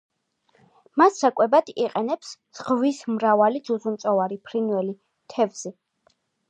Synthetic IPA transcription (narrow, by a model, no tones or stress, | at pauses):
masːakʼwɛbad̪̥iqʼɛnɛps | z̥ʁvismɾavalid̪zuzunt̪sʼɔvaɾipʰɾinwɛli | t̪ʰɛvz̥i